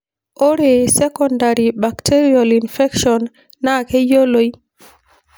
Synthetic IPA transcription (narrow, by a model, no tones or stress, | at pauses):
ʔɔɾɛsɛkɔndaɾibaktʰeɾialinfɛkʃɔnː | akɛjoloj